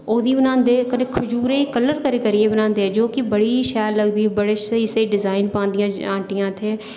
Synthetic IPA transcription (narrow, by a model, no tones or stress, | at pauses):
oːd̪iːbənãːnd̪eːkənekʰʊd͡ʒuːɾeːkəlːəɾkəɾeːkəɾɪeːbənãːnd̪eːɛd͡ʒoːkɪbəɽiːʃɛːlːəɡd̪iːbəɽeːʃeseːɖɪzaːɪnpãːnd̪ɪjãːãːʈɪjãːt̪ʰeː